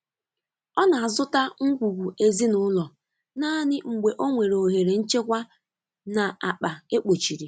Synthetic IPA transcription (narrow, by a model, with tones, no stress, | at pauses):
ɔ˦na˨a˨zʊ˦ta˦ŋ̩˦ɡʷu˨ɡʷu˨e˦zi˦nʊ˦lɔ˨ | naː˦nɪ˦ŋ͡m̩˨ɡ͡be˨ʔo˦ŋʷe˨ɾo˨ɦe˨ɾe˨n̩˦t͡ʃe˦kʷa˦ | na˨a˨k͡pa˨e˦k͡po˨t͡ʃi˨ɾi˨